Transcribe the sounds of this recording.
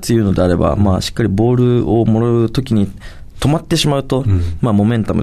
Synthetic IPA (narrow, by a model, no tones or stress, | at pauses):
t͡sɨjɯ̟ːno̞d̪e̞aɾe̞ba̰maːɕi̥kːaɾʲibo̞ːɾɯ̟o̞mo̞ɾaɯ̟t̪o̞kʲiɲ̟i | t̪o̞mat̪ːe̞ɕimaɯ̟t̪o̞mamo̞mẽ̞nt̪amɯ̟